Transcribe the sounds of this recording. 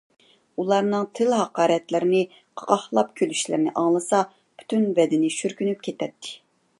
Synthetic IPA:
ulˠɑɾnɨŋt̪ʰɪlɦɑqɑːɾɛt̪lɪɾɪnɪ | qʰɑ̥ʁɑhlˠɑp̚kʲʰølyʃlɪ̰ɾnɪ̰ʔɑŋlˠɨsɑ | pʰy̥t̪ʰynbɛd̪ɪnɪʃyɾkʲynyp̚kʲʰet̪ʰɛt̪ʰːɪ̥

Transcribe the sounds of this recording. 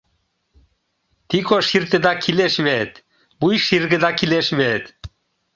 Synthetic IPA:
t̪ikoʃiɾt̪ed̪ɑkʰileʃmet̪ | bujʃiɾɡəd̪ɑkileʃmet̪

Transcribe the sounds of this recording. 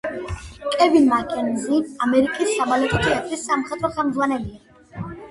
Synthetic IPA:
kʼɛbinmakʼɛnziamɛɾikʼisːamalɛt̪ʰɔt̪ʰɛat̪ʰʼɾisːamχɛt̪ʼɾɔχɛmd̪zʁwanɛlia

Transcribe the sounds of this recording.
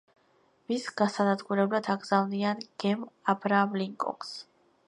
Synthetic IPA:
misɡasanad̪ɡuɾɛblad̪ʰaɡz̥avnianɡ̥ɛmabɾaːmliŋkʼɔ̰ks

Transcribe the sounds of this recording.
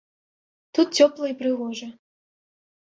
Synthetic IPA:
t̪ut̪̚t͡sʲɔplˠɐipɾɨɣɔʐɐ

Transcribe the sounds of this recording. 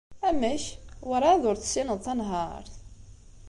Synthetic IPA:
æmæçwaɾˤɑðʊɾθə̥sːinəðˤθænɦɑɾˤθ

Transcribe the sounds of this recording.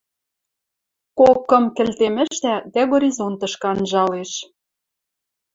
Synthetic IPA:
kokːɤ̆mkɘ̆lt̪emɘ̆ʃt̪æd̪æɣoɾʲizont̪ɤ̆ʃkɑnʒɑleʃ

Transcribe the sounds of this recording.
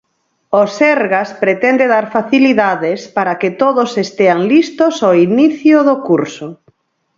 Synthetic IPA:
osɛɾɣaspɾet̪ɛnd̪eðaɾfaθiliðaðɪspaɾaket̪oðosest̪eaŋlist̪osoiniθjʊðokuɾso

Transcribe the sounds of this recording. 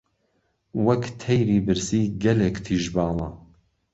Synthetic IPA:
wɐkt̪ʰɛjɾiːbɨɾsiːɡɐlekt̪ʰiːʒbɑːlˠɑ

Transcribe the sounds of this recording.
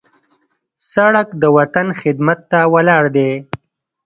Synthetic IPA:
saɽakd̪əwat̪anxɪd̪mat̪ːawalɑːɽd̪e

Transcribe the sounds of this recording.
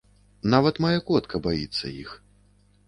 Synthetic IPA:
navɐt̪majakɔt̪kʰɐbajit̪sːɐ̰jḭx

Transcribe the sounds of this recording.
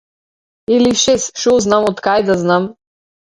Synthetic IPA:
iliʃesʃoznamɔt̪kajd̪aznam

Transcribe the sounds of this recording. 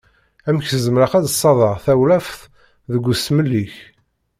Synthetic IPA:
æmçθəzəmɾəqæðəsˤːɑðˤɑʁθæwlæfθ | ðəɡʷːʊsməlːiç

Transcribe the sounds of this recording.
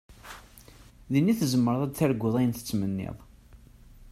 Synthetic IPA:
ðinːiθzəmːəɾɑðˤæd̪θæɾɡʷːəðˤæjənθə̥t͡sːmənːḛðˤ

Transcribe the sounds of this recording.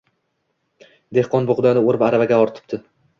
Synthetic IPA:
d̪e̞hqɒnbʊʁʊd̪anɪoɾɪpaɾavaɡʲaɒɾt̪ʰɪ̥p̚t̪ɪ

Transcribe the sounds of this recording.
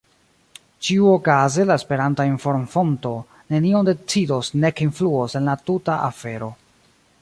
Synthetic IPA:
t͡ʃiuo̞kaze̞laespe̞ɾantainfo̞ɾmfo̞nto̞ | ne̞nio̞nde̞t͡sido̞sne̞kinfluose̞nlatutaʔafe̞ɾo̞

